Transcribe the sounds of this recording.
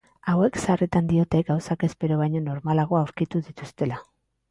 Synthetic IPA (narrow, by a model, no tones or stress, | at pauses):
awe̞ksarit̪and̪io̞t̪e̞ɡawsake̞spe̞ɾo̞β̞ajɲo̞no̞ɾmalaɣo̞awɾkit̪uðit̪ust̪e̞la